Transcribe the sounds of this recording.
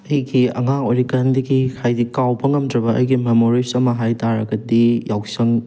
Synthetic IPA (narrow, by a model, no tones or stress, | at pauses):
ɐjɡiɐ̰ŋaŋoɾikandiɡikʰajdikawbɐŋɐmdɾɐbɐʔɐ̰jɡimemoɾisɐmɐɦajtaɾɐɡɐdijawsɐŋ